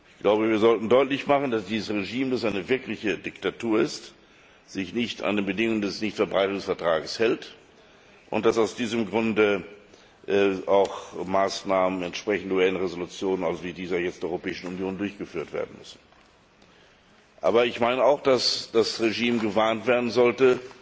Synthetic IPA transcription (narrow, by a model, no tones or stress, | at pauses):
ʔɪçɡ̥lʔaʊbəviːɐzɔltn̩dɔʏtlɪçmaχn̩d̥asd̥iːzəsʁeʒiːmdasʔaɪnəvɪɐklɪçədɪktatʰuːɐɪst | z̥ɪçnɪçta̰ndeːnbədɪŋʊŋəndɛsnɪçtfɛɐbʁaɪtʊŋsfɛɐtʁ̥aːɡəshɛlt | ʔʊ̰nt̚d̥asaʊsd̥iːzəmɡʁʊndə | ʔaʊxmaːsnaːmənɛntʃpʁ̥ɛçn̩duɛlənəʁezolut͡sjoːnənalzoviːdiːzəajɛt͡stdeɐʔɔʏʁopɛːɪʃn̩unjoːndʊɐçɡ̥əfyːɐtv̥ḛːɐdn̩mʏsn̩ | ʔa̰ːbɐɪçmaɪnəaʊxd̥asd̥asʁeʒiːmɡəvaɐntv̥eːɐdn̩zɔltə